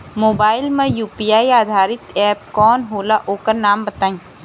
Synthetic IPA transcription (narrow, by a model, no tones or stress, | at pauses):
moːbaːɪlmẽjuːpijaːiaːd̪ʱaːɾɪt̪ɛːp̚kɔːnɦoːlaʔoːkəɾnaːmbət̪aːĩː